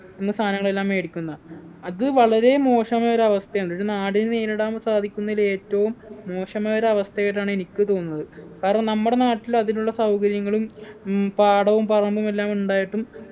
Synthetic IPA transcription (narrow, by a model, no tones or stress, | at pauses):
enːɨst̪ʰaːnɐŋːɐɭe̞lːaːme̞ːɽikʲːunːɐð | ɐðɨʋɐɭɐɾe̞mo̞ːʂɐmɐɐɾeɐʋɐst̪ʰɐjoɳɖ̪oɾnaːɽinɨneːɾuɽaːmsaːd̪ʱikʲːunːɐile̞ːtːɐʋumːo̞ːʂɐmɐɐɾeɐʋɐst̪ʰɐeɐʈːaːɳɨe̞nikʲːɨt̪o̞ːnnːɐðɨkaːɾɐɳɐmnɐmːuɽe̞naːʈːilɐðiluɭːɐsɐwkɐɾjɐŋːɐɭumpaːɽɐʋumpɐrɐmbume̞lːaːmuɳɖaːjiʈːum